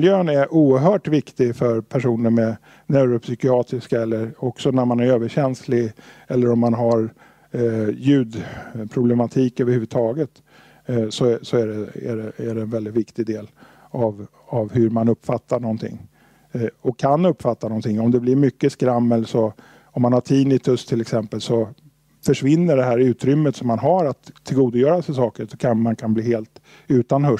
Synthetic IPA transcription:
ljøːnæɾʔuːəɾɦœːʈvɪkt̪ɪɡfœɾpʰæʂuːnəɾmɛ | nɛɾɔpsʏkɪɑːt̪ɾɪskaɛlːəɾɔksɔnæɾmanæɾøːvəɕɛnslɪɡɛlːəɾɔmːanɦaɾ | jʉ̟ːd̪pʰɾʊblɛmat̪ʰiːkøːvəɾhʉːvʉd̪t̪ʰɑːɡət̪ | sɔsɔæɖɛæ̰ɖɛæɖɛɛnvɛld̪ɪt̪vɪkt̪ɪɡd̪eːl | av | avhɵɾmanɵpːfat̪ːaɳɔnt̪ʰɪ̰ŋː | ɔkʰːanːɵpːfat̪ːanɔnt̪ʰɪŋːɔmd̪ɛblɪɾmʏkːəskɾamːəlsɔ | ɔmːanhaʈʰiːnɪt̪ʰɵst̪ʰɪlɛksɛmpəlsɔ | fœʂvɪnːəɖɛɦæːɾʉ̟ːt̪ɾʏmːət̪sɔmːanɦaɾat̪ʰːɪlɡuːd̪ʊjœːɾasɛɪsɑːkəɾsɔkʰanmankʰanbliːheːlt̪ | ʉ̟ːt̪anhɵ

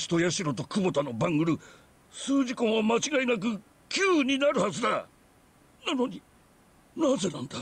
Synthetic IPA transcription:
ɕi̥t̪o̞jaɕiɾo̞t̪o̞kɯ̟bo̞t̪ano̞bãŋɯɾɯ̟ | sɨːʑikõɰ̃wamat͡ɕiɡainak̬ɯ̟ | kʲɨːɲ̟inaɾɯ̟hazɨd̪a | nano̞ɲ̟i | naze̞nãnd̪a

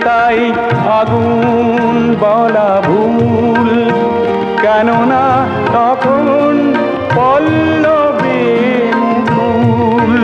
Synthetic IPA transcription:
t̪a | j | aɡu | nbɔlabʱu | l | kɛnona | t̪ɔkʰo | n | bɔlː | obe | mubʱul

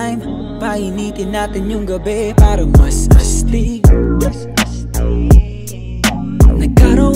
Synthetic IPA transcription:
jm | pajinit̪ɪnːat̪ɪnjʊŋɡɐbɛpaɾɐmɐsɐst̪iɡ | nɐkaɾo

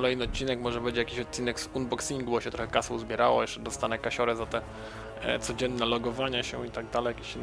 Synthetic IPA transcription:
kɔlɛjnɘɔt̪̚t͡ɕːinɛkmɔʐɛbɛɲd͡ʑɛjakʲiɕɔt̪̚t͡ɕːinɛksunbɔksiŋɡubɔɕɛt̪ɾɔxɛkasɔwzbʲjɛɾawɔ̰jɛʂt͡ʂɛd̪ɔst̪anɛkaɕɔɾɛzat̪ɛ | t̪sɔd͡ʑɛnːɛlɔɡɔvaɲaɕɛ̰it̪aɡ̚d̪alɛjakʲeɕinː

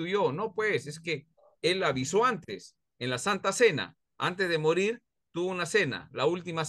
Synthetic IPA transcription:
ujono̞pwe̞se̞ske̞ | e̞laβiso̞ant̪es | enlasant̪ase̞na̰ | a̰nt̪̬ezðemo̞ɾiɾ | t̪uβounase̞na̰lault̪imas

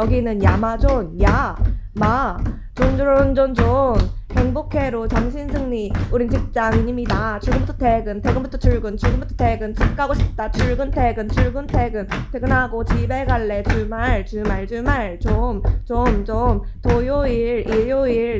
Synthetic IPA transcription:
jʌɡinɯnjamad͡ʑonjama | t͡ɕond͡ʑuɾond͡ʑont͡ɕomhe̞ŋbokʰe̞ɾot͡ɕaŋɕʰinsʰɯŋɲiuɾint͡ɕik̚t͡ɕ͈aŋɲimɲidat͡ɕuɭɡɯnbutʰʌte̞ɡɯnteɡɯnbutʰʌt͡ɕʰuɭɡɯnt͡ɕuɭɡɯnbutʰʌte̞ɡɯnt͡ɕʰik͈ʰaɡoɕʰi̥p̚t͈at͡ɕʰuɭɡɯntʰe̞ɡɯnt͡ɕʰuɭɡɯntʰe̞ɡɯntʰeɡɯnɦaɡot͡ɕibe̞ɡaɭːe̞t͡ɕumaɭt͡ɕumaɭd͡ʑumaɭt͡ɕomt͡ɕomt͡ɕomtojoiɭijoiɾ

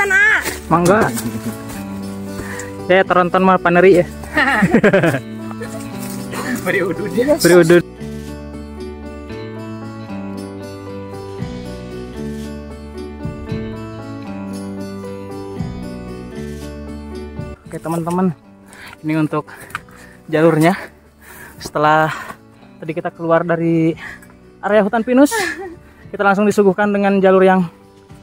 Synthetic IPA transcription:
ana | maŋɡaʔ | sajat̪əɾɔnt̪ɔnmapanəɾia | bəɾiudunbəɾiudu | kaat̪əmənt̪əmən | iniunt̪ʊk̚ | d͡ʒalʊrɲa | sə̥t̪əlah | t̪adikit̪akəluardaɾi | ʔaɾajaɦut̪anpinʊs | kit̪alaŋsʊŋdisuɡuhkandəŋand͡ʒalʊrjaŋ

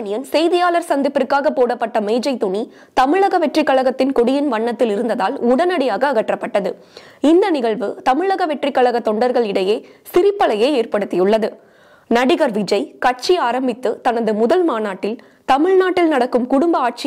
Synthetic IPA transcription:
nɪjɐnsɛjðɪjaːlɐɾsɐnd̪ɪpːɪɾkːaːɣɐpːoːɽɐpːɐʈːɐmɛɪd͡ʒɐɪt̪ːʊɳi | t̪ɐmɪɻɐɣɐʋɛʈrɪkːɐɭɐɣɐt̪ːɪnkɔɽɪjɪnʋɐɳːɐt̪ːɪlɪɾɯnd̪ɐðaːlʊɽɐnɐɽɪjaːɣɐːɣɐʈrɐpːɐʈːɐðɯ | ɪnd̪ɐnɪɣɐɭʋɯt̪ɐmɪɭɐɣɐʋɛʈrɪkːɐɭɐɣɐt̪ːɔɳɖɐɾɣɐɭɪɽɐjeːsɪɾɪpːɐlɐjeːeːrpɐɽɯt̪ːɪjʊɭːɐðɯ | nɐɽɪɣɐɾʋɪd͡ʒɐɪkɐʈ̚t͡ʃiaːɾɐmbɪt̪ːɯt̪ɐnɐðɯmʊðɐlmaːnaːʈːɪl | t̪ɐmɪɭnaːʈːɪlnɐɽɐkːɯmkʊɽʊmbɐaːʈ̚t͡ʃ

